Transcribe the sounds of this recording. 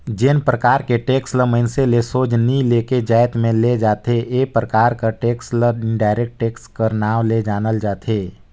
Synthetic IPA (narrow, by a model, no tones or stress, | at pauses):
d͡ʒɪnpɾəkaːɾkeʈeːksləməɪnselesoːd͡ʒnileːked͡ʒaːɪt̪mẽled͡ʒaːt̪eeːpɾəkaːɾkaʈeːksləɾɖaːɪɾek̚ʈʈeːkskəɾnaːʋled͡ʒaːnəld͡ʒaːt̪ʰeː